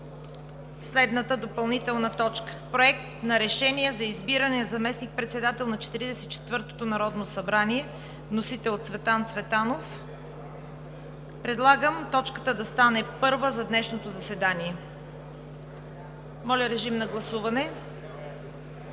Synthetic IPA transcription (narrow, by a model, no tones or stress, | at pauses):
slɛd̪nət̪əd̪opɐlˠnit̪ɛlˠnɐt̪ɔt͡ʃkə̥pɾoɛk̚t̪nɐɾɛʃɛnijɛzɐizbiɾənɛzɐmɛsnik̚pɾɛt̪sɛd̪at̪ɛlˠnɐt͡ʃɛ̥t̪iɾid̪ɛsɛit͡ʃɛ̥t̪vɤɾt̪o̥t̪onɐɾɔd̪nosɐbɾaniɛ | vnosit̪ɛlˠot̪svɛt̪ant̪svɛt̪anof | pɾɛd̪lˠaɡəmt̪ɔt͡ʃkə̥t̪əd̪ɐst̪anɛpɤɾvəzɐd̪nɛʃnot̪ozɐsɛd̪aniɛ | mɔlʲɐɾɛʒimnɐɡlˠɐsuvɐnɛ